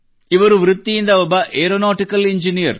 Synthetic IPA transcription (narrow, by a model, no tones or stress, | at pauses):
ɪʋɐɾɯʋɾɯt̪ːijɪnd̪ɐɐbɐʔeːɾonaːʈːɪkːɐlɪɲd͡ʒɪnijɐɾ